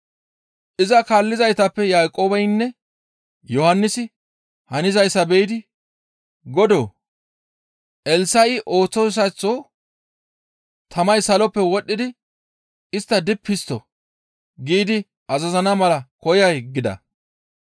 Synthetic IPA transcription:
ʔɪzɐkaːlːɪzɐjt̪ɐpːɛjaːkʼo̞ːbɐjnːɛ | jɔhɐnːɪsɪ | hɐnɪzɐjsɐbɛjɪd̪ɪ | ɡɔd̪o̰ː | ʔɛlsɐʔɪʔo̞ːt͡sːɔss̬ɐt͡sːoː | t̪ʰɐmɐjsɐlɔpːɛwɔɗːɪd̪ɪ | ɪst̪ːɐd̪ɪpʰːɪst̪ɔ | ɡiːd̪ɪ | ɐzɐzɐnɐmɐlɐkɔjɐjɡɪd̪ɐ̰

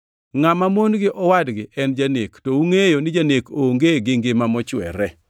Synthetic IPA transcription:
ŋamamonɡɪʔɔwadɡɪʔɛnd͡ʒanektɔuŋejonɪd͡ʒanekoŋɡeɡɪŋɡɪmamɔt͡ʃwɛ̰ɾɛ

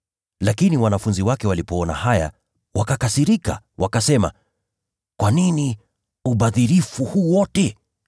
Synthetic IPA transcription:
lakiniwanafunziwakɛwalipɔɔna̰haja̰ | wʔakakasiɾika̰ | wʔakasɛma̰ | kwanini | uɓaðiɾifuhuwɔtɛ

